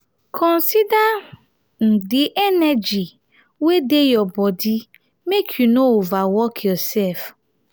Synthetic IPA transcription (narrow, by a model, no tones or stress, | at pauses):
kʰɔ̃n̩sida | n̩dɪʔɛnɛd͡ʒi | wedejɔbɔdi | mekʰjunovawɔkʰjɔsɛlf